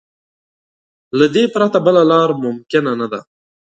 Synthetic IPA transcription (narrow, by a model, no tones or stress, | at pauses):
lad̪epɾat̪abəlalɑɾmʊmkɪnanad̪a̰